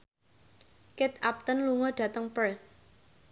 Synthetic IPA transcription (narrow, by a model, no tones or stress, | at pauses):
kɪt̪ap̚t̪ənluŋɔɖ̥ä̤t̪əŋpəɹθ